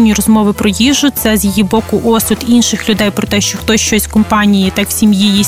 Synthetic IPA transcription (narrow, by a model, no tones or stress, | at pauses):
nʲːiɾɔzmɔʋɪpɾɔjiʒːʊt̪sɛzjijibɔkʊʔɔsʊd̪inʃɪxlʲʊd̪ɛjpɾɔt̪ɛʃt͡ʃɔxt̪ɔsʲʃt͡ʃɔsʲkɔmpɑnʲijit̪ɑksʲimjiji